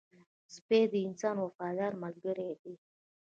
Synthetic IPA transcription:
zbeːd̪iinsaːnwɐfaːd̪aːɾmɐlɡəɾed̪i

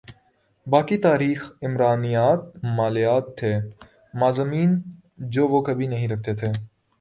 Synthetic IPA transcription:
baːkit̪aːɾiːxɪmɾaːnijaːt̪̚maːlɪjaːt̪ʰːeː | maːzəmiːn | d͡ʒoːʋoːkɐbʱinɐɦĩɾɐk̚ʰt̪et̪ʰeː

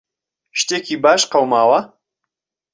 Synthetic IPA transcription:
ʃt̪eːkiːbaːʃqɐwmaːwɐ

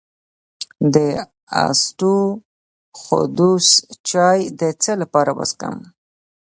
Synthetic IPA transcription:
d̪ə | a̰sʈu | xʊ̰d̪ust͡ʃɑjd̪ət͡səlapɑɾawa̰ska̰m

